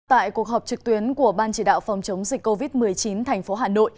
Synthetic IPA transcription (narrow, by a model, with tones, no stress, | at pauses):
t̪a̰ː˧˨jku˨˩ək̚ɦɔː˨˩p̚t͡ɕɨ˨˩k̚t̪wi˨˦ənku˧˩əɓaː˧nt͡ɕi˧˩ɗa̰ː˧˨wfa˨˩wŋ͡mt͡ɕə˨˦wŋ͡mzï˨˩k̚kːo˧vi˦˥t̚mɨ˨˩əjt͡ɕi˨˦nt̪ʰɛ˨˩jŋ̟fo˨˦ɦaː˨˩no̰˧˨j